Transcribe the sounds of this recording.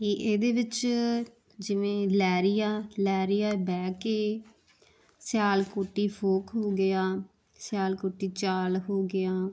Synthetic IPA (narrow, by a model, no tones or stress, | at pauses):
eːʔeːd̪eːʋɪt͡ʃ | d͡ʒɪʋẽːlɛːɾɪjaːlɛːɾɪjaːbɛːkeː | sjaːlkoːʈiːpʰoːkɦoːɡɪjaː | sɪjaːlkoːʈiːt͡ʃaːlɦoːɡɪjaː